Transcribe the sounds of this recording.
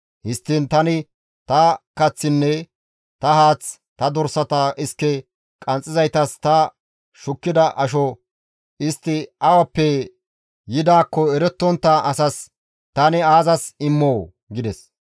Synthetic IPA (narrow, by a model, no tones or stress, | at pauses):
hɪst̪ːiːnt̪ɐnɪ | t̪ɐkɐt͡sːɪnːɛ | t̪ɐhaːt͡s | t̪ɐd̪ɔɾsɐt̪ɐʔɪskːɛ | kʼɐnt͡sʼːɪzɐjt̪ɐst̪ɐ | ʃʊkːɪd̪ɐʔɐʃɔ | ɪst̪ːɪɐwɐpːɛ | jɪd̪aːkːɔɛɾɛt̪ːɔnt̪ːɐʔɐsɐs | t̪ɐnɪaːzɐsɪmːoː | ɡɪd̪ɛs